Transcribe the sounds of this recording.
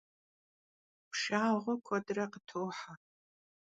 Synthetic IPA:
pʰʂaːʁʷʊkʷʰɔdrɐqətʰoːħa

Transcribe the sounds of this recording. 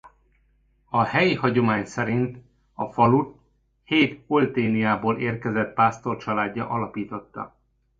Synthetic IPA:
ɒhɛjihɒɟo̞maːɲsɛɾint̪ | ɒfɒlut̪ | heːt̪olt̪eːnijaːboːleːrkɛzɛt̪paːst̪o̞rt͡ʃɒlaːɟːɒ̰ʔɒlɒpiːt̪o̞t̪ːɒ̰

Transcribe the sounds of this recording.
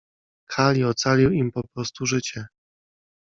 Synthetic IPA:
kʰalʲiɔt̪salʲiwimpɔpɾɔst̪uʐɘt͡ɕɛ

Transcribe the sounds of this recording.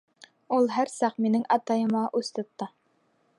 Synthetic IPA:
ulˠɦæɾsɑqminɘŋʔɑt̪ɑjɤ̆mɑʔʉst̪ɤ̆t̪ːɤ

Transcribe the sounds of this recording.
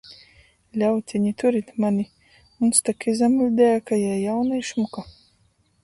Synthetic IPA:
lʲawt̪ʲiɲit̪uɾit̪manʲi | unst̪akizamulʲd̪æːkajajawnajʃmuka

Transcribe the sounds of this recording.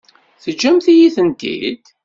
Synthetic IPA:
θəd͡ʒːæmθijiθənt̪ḭd̪

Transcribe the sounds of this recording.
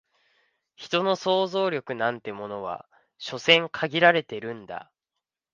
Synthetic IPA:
çi̥t̪o̞no̞so̞ːzo̞ːɾʲjo̞kɯ̟nãnt̪e̞mo̞no̞βa̰ | ɕo̞sẽ̞ŋkʰaɡʲiɾaɾe̞t̪e̞ɾɯ̟̃nd̪a̰

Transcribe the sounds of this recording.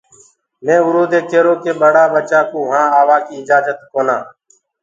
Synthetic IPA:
mẽːʋʊɾoːd̪eːkeːɾoːkeːɓəɽaːɓət͡ʃaːkuːɦãːaːʋaːkiːɪd͡ʒaːd͡ʒət̪koːnaː

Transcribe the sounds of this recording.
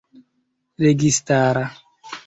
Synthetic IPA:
ɾeɡistaːɾa

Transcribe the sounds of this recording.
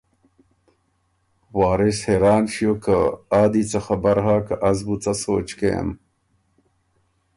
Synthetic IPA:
waːɾisheɾaːnɕijokəaːd̪it͡sɐxɐbɐɾɦaːkɐʔɐzbut͡sɐsoːt͡ʃkeja̰m

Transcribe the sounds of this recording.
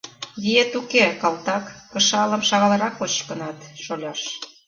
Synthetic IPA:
βiet̪ukekɑlt̪ɑkːə̆ʃɑlə̆mʃɑɣɑlɤ̆ɾɑkot͡ɕkənɑt̪ʃolʲɑʃ

